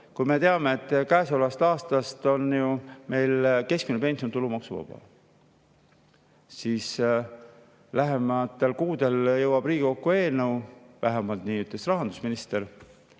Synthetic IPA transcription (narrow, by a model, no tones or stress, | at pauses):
kujme̞t̪e̞ɑme̞ːt̪ːˑkæːsolɑst̪ɑːst̪ɑst̪o̞njume̞jlke̞sk̚minpe̞nsiot̪ulumɑksuvɑ̰b̥ɑ̰ | siːs | læɦe̞mɑt̪ːe̞lkuːd̪̥e̞ljɤwɑb̥riːɡ̥ʲiko̞kːue̞ːnɤwvæɦemɑlt̪niːyt̪ˑlesrɑɦɑnd̪usminist̪e̞ɾ